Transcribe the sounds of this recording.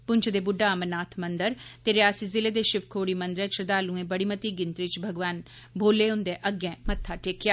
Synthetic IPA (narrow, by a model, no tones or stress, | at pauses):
pʊɲt͡ʃʰd̪eːbʊɖaːəmənaːt̪ʰmənd̪əɾt̪eːɾɪjaːsiːzɪleːd̪eːʃɪʋkʰoːɽiːmənd̪ɾɛ̃ːt͡ʃɾd̪aːlũːẽːbəɽiːmət̪iːɡɪ̃nt̪ɾɪt͡ʃbʱəɡʋaːn | bʱoːlːeːʊ̃nd̪ẽːʔəɡɛ̃ːmət̪ʰːaːʈeːkjaː